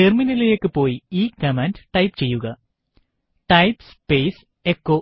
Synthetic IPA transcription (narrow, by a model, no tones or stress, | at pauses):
erminilejekːɨpo̞ːjiiːkɐmɐndʈɐjpt͡ɕe̞jːuɣɐ | ʈɐjpspeːs | ekːo